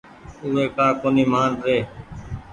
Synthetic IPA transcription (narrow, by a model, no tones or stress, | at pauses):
ʊːɦeːkaːkoːniːmaːnɾeː